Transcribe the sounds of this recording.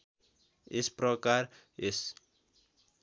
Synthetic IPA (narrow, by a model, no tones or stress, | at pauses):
esprʌkar | es